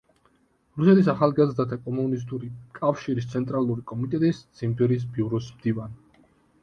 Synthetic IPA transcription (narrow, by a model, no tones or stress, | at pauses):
ɾusɛt̪ʰisaχalˠɡazɾd̪at̪ʰakʼɔmunis̬t̪ʼuɾikʼafʃiɾis̬t̪sʰɛnt̪ʼɾalˠuɾikʼɔmit̪ʼɛt̪ʼisd̪z̥imbɛɾis̬biuɾɔsmd̪̥ivan